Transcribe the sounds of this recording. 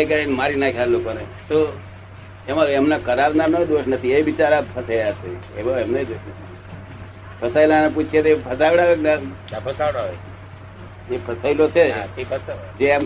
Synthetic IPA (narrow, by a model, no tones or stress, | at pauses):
jkəɾinmaɾinakʰaɾlokone | so | emãlemnakʰəɾabnanod̪oʃnət̪ʰieʋit͡ʃaɾabt̪ʰət̪ʰəjasʰeebəemned̪oʃnət̪ʰnʰi | pʰəsailaneput͡ʃʰet̪epʰəsaʋɽaʋekna | pʰəsaʋɽaʋe | epʰəsəilot͡ʃʰeps | d͡ʒeam